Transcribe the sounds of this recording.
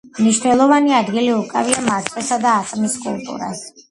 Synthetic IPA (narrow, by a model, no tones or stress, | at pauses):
mniʃnɛlˠɔvaniad̪ɡiliukʼaviamaɾt̪ʼwisad̪aːt̪ʼmiskʼulˠt̪ʼṵɾa̰s